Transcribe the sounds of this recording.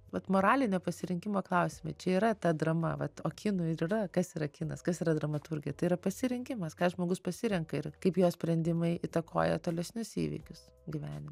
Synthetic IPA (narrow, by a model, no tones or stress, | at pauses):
ʋɐt̪moːɾɑːlʲɪnʲoːpɐsʲɪɾʲɪŋʲkʲɪmoːklˠɐʊsʲɪmɐɪt͡ʃʲɛiːɾɐt̪ɐd̪ɾɐmɐ̰ʋɐt̪o̰ːkʲɪnʊɪɾirɐkɐsiːɾɐkʲɪnɐ̰skɐsiːɾɐd̪ɾɐmɐt̪ʊɾʲɡʲɪjɛt̪ɐɪiɾɐpɐsʲɪɾʲɪŋʲkʲɪmɐskɑːʒmoːɡʊspɐsʲɪɾʲɛŋkɐɪrkɐɪpjoːsʲpʲɾʲɛnʲd̪ʲɪmɐɪʔɪt̪ɐko̰ːjɛt̪oːlʲɛsʲnʲʊsḭːʋʲɪ̰ːkʲʊs | ɡʲɪʋʲæːnʲɪm